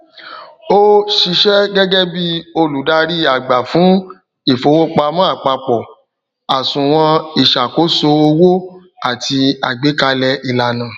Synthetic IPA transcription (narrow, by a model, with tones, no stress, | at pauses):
o˦ʃi˧ʃɛ˦ɡɛ˦ɡɛ˦bi˦o˧lu˨˦da˧ɾi˦a˨ɡ͡ba˨fũ˨˦ | i˦˨fo˧˦wo˦k͡pa˧mã˦a˦˨k͡pa˧k͡pɔ˨ | a˨sũ˨w̃ɔ̃˧i˨ʃa˨ko˨˦so˧o˧wo˦ | a˨ti˧a˨ɡ͡be˨˦ka˧lɛ˧i˧˨la˨nã˨